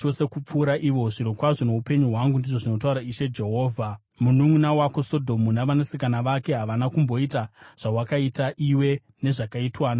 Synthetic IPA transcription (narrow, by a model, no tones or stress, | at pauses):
o̞se̞kup͡fuːɾaʔiʋo̞ʐiɾokwaʐo̞ne̞upe̞ɲuɦwaŋɡundiʐoʐino̞t̬auɾaiʃe̞d͡ʒe̞ɦo̞ːvʱa | munumunawakoso̞dʱo̞munaʋanasikanaʋake̞ɦaʋanakumbo̞itaʐ̥awakaitaʔiwe̞ | ne̞ʐakaitwaːna